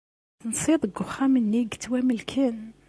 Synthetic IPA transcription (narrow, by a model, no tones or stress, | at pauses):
nsˤid̪ˤəɡʊχæmənːiɡt̪ːwæməlkʰæn